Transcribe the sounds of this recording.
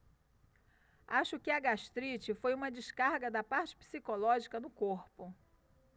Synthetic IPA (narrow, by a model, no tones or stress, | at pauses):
aʃʊkɪɐɡaʃt̪ɾit͡ʃɪfojũmɐd͡ʒɪʃkaɾɡɐd̪ɐpaɾt͡ʃɪ̥pi̥sikolɔʒikɐnʊkoɾpʊ